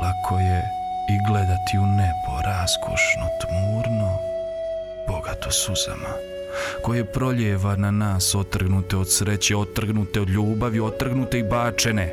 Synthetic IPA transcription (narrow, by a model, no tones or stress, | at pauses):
lakʰoje | iɡled̪at̪ʰiunepo̰ɾaskʰo̰ʃno̰t̪muːɾno | b̥oɡat̪osuz̥a̰ma̰ | ko̞jepɾo̞ʎeːʋananaːso̞t̪r̩ɡnut̪e̞od̪sɾe̞t͡ɕeo̞t̪ːr̩ɡnut̪eo̞d̪ʎʲuːbaʋjiot̪ːr̩ɡnut̪e̞ibaːt͡ʃene